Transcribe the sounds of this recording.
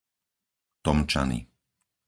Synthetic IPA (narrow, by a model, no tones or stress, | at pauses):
t̪ɔmt͡ʃa̰nḭ